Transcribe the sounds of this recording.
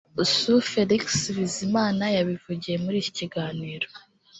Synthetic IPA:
usufeɾiksβizimaːnajaβivuɟije̞muɾiːci̥ciɡaːniːɾo

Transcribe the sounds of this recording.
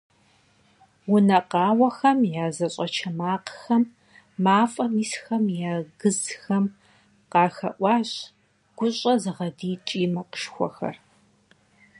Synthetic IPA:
wʊnɐqɑːwɐxɐmjaːzɐɕʼɐt͡ʃʰɐmaːqxɐmː | aːfʼɐmiːsxɐmjaːɡɨzxɐm | qɑːxɐ̰ʔʷɑːɕ | ɡ̥ʷʊɕʼɐzɨʁɐdiːt͡ʃʼiːmɐqə̥ʃxʷɔ̰xɐ̰r

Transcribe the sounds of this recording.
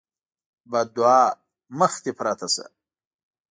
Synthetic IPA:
bad̪uaː | məxt̪ipʰɾaːt̪ʰɐsɐ̰

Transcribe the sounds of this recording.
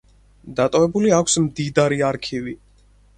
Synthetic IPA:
d̪at̪ʼɔvɛbuliakʷʰsmd̪id̪aɾiaɾkʰivi

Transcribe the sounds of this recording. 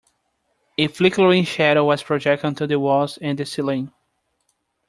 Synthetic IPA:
ɨflikə˞ĩŋʃæɾowʌz̥pʰɹɔd͡ʒɛk̚tɨ̃ntʰuðɨwɔzɨ̃nd̪ɨsilĩn

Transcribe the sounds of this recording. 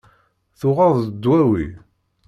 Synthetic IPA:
θʊʁɑðˤəd̪ːwæwḭ

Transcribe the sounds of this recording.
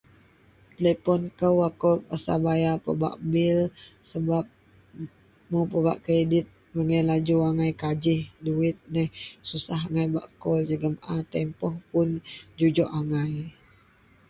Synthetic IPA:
t̪ələpɔnkəwakɔp̚asa̰bajapə̰ba̰ʔbɪlsəbap̚ | mupəba̰ʔkɾedɪt̪̚ | məŋəlad͡ʒuaŋajkad͡ʒɪhduɪt̪̚nɛhsusaɦaŋajba̰ʔkɔld͡ʒəɡəmat̪ɛmpɔhpʊnd͡ʒud͡ʒɔʔaŋaj

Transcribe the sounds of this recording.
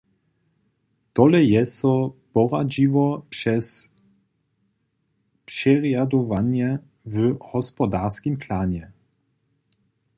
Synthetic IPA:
t̪ɔlɛjɛsɔpɔʁad͡ʑivɔpʂɛs | pʂɛʁjad̪ɔvaɲɛ | vhɔspɔd̪aʁskʲimpʰlaːɲɛ

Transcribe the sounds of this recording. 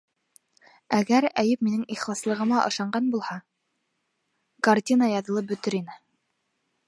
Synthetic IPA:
æɡæɾæjɘpminɘŋiχlˠɑslˠɤ̆ʁɤ̆mɑʔɤ̆ʃɑɴɢɑnbulˠhɑ | kartʲinəjɑðɤ̆lˠɤp̚bɵ̆t̪ɘɾinɘ

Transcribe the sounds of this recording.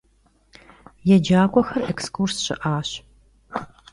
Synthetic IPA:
jɛd͡ʒaːkʷʼɔxɐrɛkskursɕɪ̰ʔaːɕ

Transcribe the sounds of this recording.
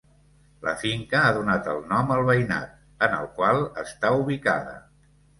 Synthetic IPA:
lə̰fiŋkəaðunat̪əlˠnɔməlˠβəjna̰t̪̚ | ənəlˠkwalˠəst̪auβika̰ðə̰

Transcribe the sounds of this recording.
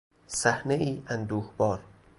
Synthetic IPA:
sæhneʔiːʔænd̪uːhbɒːɾ

